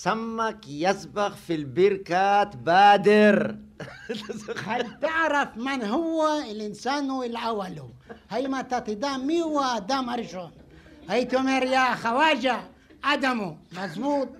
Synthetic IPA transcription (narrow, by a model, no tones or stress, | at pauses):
samːakjasbaɣfilbiɾkaːt̪baːd̪iɾ | halt̪aaɾafmanɦuwailinsaːnuilawalu | hajmat̪at̪id̪amiwad̪amaɾiʃon | hajt̪omeɾjaxawaːd͡ʒa | ad̪amumazbuːt̪̚